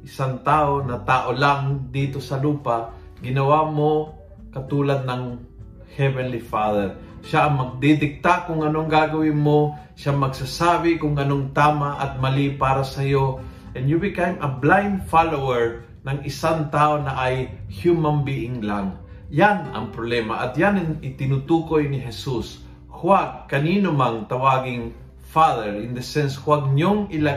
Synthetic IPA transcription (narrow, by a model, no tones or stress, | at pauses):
ʔɪsaŋt̪aːʔonɐt̪aːʔolaŋd̪iːt̪osɐluːpa | ɡɪnɐwamo | kɐt̪uːlɐd̪̚nɐŋ | hɛvɛnlifaðɛɹ | ʃaʔɐŋmɐɡ̚d̪id̪ɪk̚t̪akʊŋɐnoŋɡaɡɐwɪnmo | ʃamɐɡsasaːbɪkʊŋʔɐnoŋt̪aːmaʔɐt̪̚mɐlipaːɾɐsɐjo | ʔɛnjʊbɪkajmʔɐblajnd̪falowɛɹ | nɐŋɪsaŋt̪aːonɐʔajhjumɐnbiʔɪŋlaŋ | janɐ̰ŋpɾoblɛːmaʔɐt̪̚janɪnɪt̪ɪnut̪uːkojnɪɦɛsus | hʊwaɡ̚kɐniːnʊmaŋt̪ɐwaːɡɪŋ | faðɛɹɪnd̪ɐsɛnshwaɡ̚ɲoŋɪla